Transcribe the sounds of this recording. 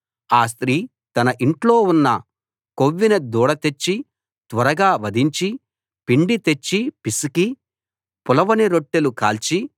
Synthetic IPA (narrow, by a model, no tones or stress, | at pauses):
aːs̬t̪ɾiː | t̪ɐnɐʔiɳʈlo̞ːunːɐ | koʋːinɐd̪uːɽɐt̪e̞t͡ʃːi | t̪ʋɐɾɐɡaːʋɐd̪ʱiɲt͡ʃi | piɳɖit̪e̞t͡ʃːipisiki | pʊlɐʋɐniɾoʈːelukaːlt͡ʃi